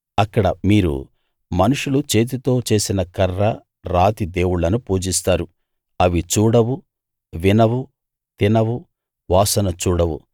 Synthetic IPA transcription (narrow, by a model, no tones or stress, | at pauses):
ɐkːɐɽɐ̰miːɾṵ | mɐnuʂulut͡ʃe̞ːt̪̬it̪o̞ːt͡ʃe̞ːsinɐkɐrːɐ | ɾaːt̪id̪eːwuɭɐnupuːd͡ʒist̪aːɾu | ɐʋit͡ʃuːɽɐwu | ʋinɐwu | t̪inɐwu | ʋaːsɐnɐt͡ʃuːɽɐwṵ